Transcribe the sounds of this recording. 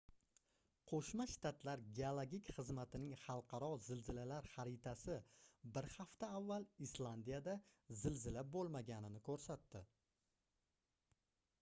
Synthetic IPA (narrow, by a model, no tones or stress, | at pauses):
qʰoʃmaʃt̪at̪laɾɡʲeolˠoɡʲikʲχɨzmat̪ʰɪnɪŋχɑlˠqʰɑɾɒzɪlzɪlalaɾχaɾɪt̪ʰasɪbɪɾχaft̪aːvːalˠislˠand̪ijad̪azɪlzɪlabolˠmaɡʲanɪnɪkʰɵɾsat̪ːɪ